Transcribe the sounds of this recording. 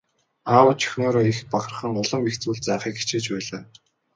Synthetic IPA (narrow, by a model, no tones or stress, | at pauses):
aːwə̆t͡ɕʰɵ̥xnoːɾoːixpaɡ̆rə̥̆χə̆ŋʊɮə̆mpixt͡suːɮt͡sæːχiːki̥t͡ɕeːt͡ɕpæːɮaː